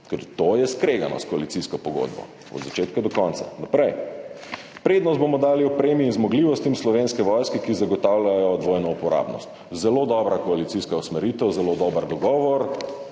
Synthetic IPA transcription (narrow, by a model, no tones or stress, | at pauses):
kɛɾt̪ojɛskɾeːɡa̰nɔ̰skoalit̪siskɔpɔɡo̰d̪bɔ̰ | ɔ̰d̪zat͡ʃeːt̪kad̪ɔkɔnt̪sa̰napɾɛj | pɾeːd̪nɔst̪bomɔd̪aːliɔpɾeːmiːnzmɔɡliːʋɔst̪imslɔʋenskɛʋɔjskɛkizaɡɔt̪aːwlʲajɔd̪ʋojnɔupɔɾa̰ːbnɔ̰st̪ | zɛlod̪ɔːbɾakɔalit̪siskausmɛɾit̪ɛwzɛlod̪ɔːbəɾd̪ɔɡɔːʋɔɾ